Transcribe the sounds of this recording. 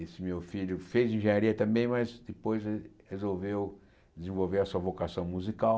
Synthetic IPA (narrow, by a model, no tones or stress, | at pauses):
esɪmewfiʎʊfejzĩʒẽɲaɾiɐt̪ɐ̃mbẽj̃mɐzd̪ɪpojzhezowvew | d̪ɪzẽvowveɾɐsuɐvokasɐ̃w̃muzikaw